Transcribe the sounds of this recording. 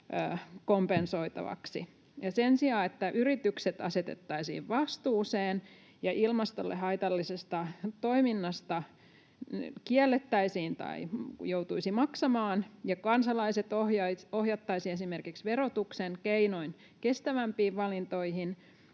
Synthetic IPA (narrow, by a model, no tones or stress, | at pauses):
ø̰ːkompensoit̪ɑ̰ʋɑ̰ksi | jɑsensiɑːet̪ːæʔyrit̪ykset̪ɑset̪ḛt̪ːɑisḭːʋʋɑst̪uːseːn | jɑʔilmɑst̪o̰lːʔḛɦɑit̪ɑlːisest̪ɑt̪oiminːɑst̪ɑ | kiælːet̪ːæisiːnt̪ɑ̰ijout̪uisimɑksɑmɑːnjɑkɑnsɑlɑiset̪ohjɑohjɑt̪ːɑisiesimerkiksʋeɾot̪ukseŋkeinoin | kest̪æʋæmpiːʋʋɑlint̪oihin